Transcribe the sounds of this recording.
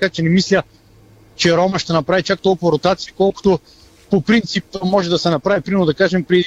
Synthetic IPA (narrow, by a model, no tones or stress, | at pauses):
ɐkat͡ʃɛnɛmislʲə | t͡ʃɛɾɔmɐʃt̪ɛnɐpɾavit͡ʃak̚t̪ɔlˠkuvɐɾot̪at̪siikɔlˠko̥t̪o | popɾint̪sipmɔʒɛd̪ɐsɛnɐpɾavipɾimɛnod̪ɐkaʒɛmpɾɛd̪